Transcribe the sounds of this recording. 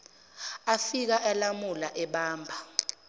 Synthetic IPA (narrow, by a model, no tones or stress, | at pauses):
afik̬aʔɛlamulaʔɛɓaːmbʱa